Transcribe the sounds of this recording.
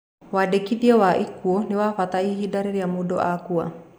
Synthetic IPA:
wadekidiawaʔikːuoniwafat̪aiɦidaɾiɾiamudoʔakua̰

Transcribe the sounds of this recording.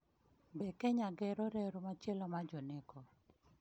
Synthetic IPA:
bɛkɛɲaɡɛɾɔɾɛɾomat͡ʃelɔmad͡ʒɔnɪkɔ

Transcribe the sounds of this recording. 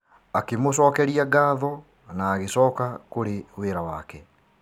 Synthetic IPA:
akemos̬ɔːkɛɾiaɡaːðɔ | naːɣesɔːkakoɾeweːɾawakɛ

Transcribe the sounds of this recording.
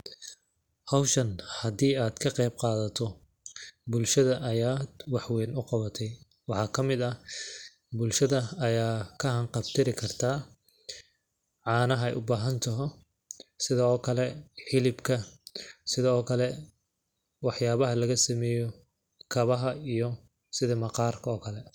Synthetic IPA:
hɐwʃɐnhɐd̪iːaːd̪̥kʰɐqɛjb̚qɑːðɐt̪ʰɔ | bʊlʃɐðɐʔːjaːd̪̥wɑħwɛːnʊqɑβɐt̪ʰɛj | wɑħɑːkʰɐmɪd̪ɐ | bʊlʃɐðɐːjaːkʰɐɦɐɴqɑbt̪ʰɪɾɪkʰɐrt̪ʰaː | ʕɑːnɐɦɐɛ̰jʔʊbaːɦɐnt̪ʰɐɦɔ | sɪðɐɔːkʰɐlɛħɪlɪbkʰɐsɪðɐɔːkʰɐlɛ | wɑħjaːβɐɦɐlɐɣɐsɐmɛːjɔ | kʰɐβɐɦɐijɔ | sɪðɐmɐqɑːrkʰɐɔːkʰɐlɛ

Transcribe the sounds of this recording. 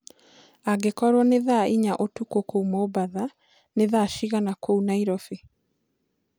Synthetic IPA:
aɡekɔɾwɔneðaiɲaʔotukokoumoːbaða | neðaʃiɣanakounaiɾɔfe

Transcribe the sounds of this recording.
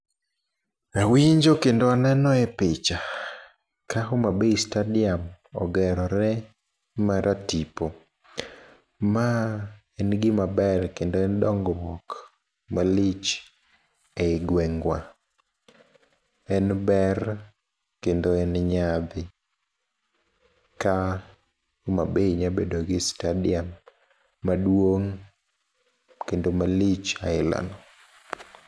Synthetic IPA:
awiɲd͡ʒokendoanɛnɔɛpɪt͡ʃa | kaɦomabeistadɪam | ɔ̰ɡɛɾɔɾɛ | maɾʔatipo | ma | ɛnɡɪmabɛrkendoɛndɔŋɡɔwɔk | malɪt͡ʃ | eɪɡwɛŋɡwa | ɛnbɛr | kendoɛnɲad̪ɪ | ka | mabeɲabedoɡɪstadɪamː | adwoŋ | kendomalit͡ʃaɪla̰nɔ

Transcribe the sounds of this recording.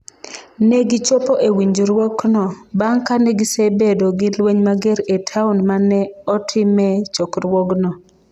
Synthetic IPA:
nɛɡɪt͡ʃopoʔewiɲd͡ʒɾwɔknɔbaŋkanɛɡɪsebedoɡɪlweɲmaɡeɾetʰaʊnmanɛɔtʰɪmɛt͡ʃɔkɾwɔɡnɔ

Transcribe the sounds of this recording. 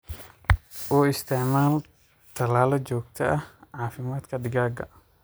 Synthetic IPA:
ʔɔːɪst̪ʰɛʕmaːl | t̪ʰɐlaːlɔd͡ʒɔːɡ̚t̪ʰɐʔɐhʕaːfɪmaːd̪kʰɐd̪ɪɡaːɡɐ̰

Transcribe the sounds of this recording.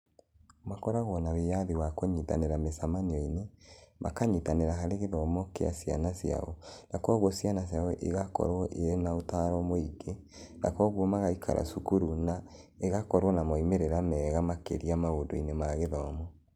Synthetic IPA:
makɔɾaɣɔnawejaðiwakoɲita̰neɾamesamaniɔinemʔa̰kaɲitaneɾaɦaɾeɣeðɔmɔkea̰sia̰nasja̰ɔnakwɔɣwɔsjanas̬jawɔʔeɣakɔ̰ɾwɔʔeɾenaotaɾɔmoiɡe | na̰kwɔɣwɔmaɣaikʰa̰ɾʔa̰sukuɾuna | eɣakɔɾwɔnamɔimeɾeɾamɛːɣamakḛɾiamaodoinemaɣeðɔmɔ

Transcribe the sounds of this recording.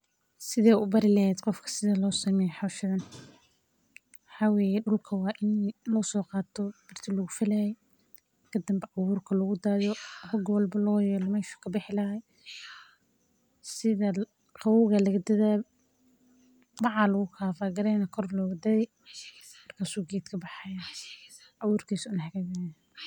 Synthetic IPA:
sɪðɛːʊbɐɾɪlɐɦɛːd̪qɔfkʰɐ̥sɪðɐlɔːsɐmɛːjħawʃɪðɐn | wɑħaːwɛːjɛɗʊlkʰɐwɑːʔɪnlɔːsɔːqɑːt̪ʰɔbɪrt̪ʰɪlɔɣʊfɐlɐjɛj | kʰɐd̪ɐmbɐʔɑwuːrkʰɐlɔɣʊd̪aːðɔhɔɡwɐlbɐlɔːjɛːlɔmɛːʃɐ̥kʰɐbɪħɪlɐɦɛj | sɪðɐ | qɑwʊɣɐlɐɣɐd̪ɐða | bɑʕɑlɐɣʊkʰaːfaːɡɐɾɛjnɐkʰɔrlɔːɣɐd̪ɐðɛj | mɐrkʰaːsuːɡɛːt̪kʰɐbɑħɑja | ʕɑwʊːrkʰiːsʊʊnħkaɡɐ

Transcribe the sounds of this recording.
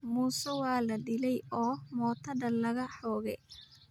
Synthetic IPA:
muːsɐwɑːlɐɖɪlɛjɔːmɔːt̪ʰɐdɐlɐɣɐħɔːɣɛj

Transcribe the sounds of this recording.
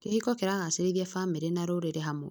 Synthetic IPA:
kehikɔkeɾaɣaseɾeβjafameɾenaɾoɾeɾeɦamo̰

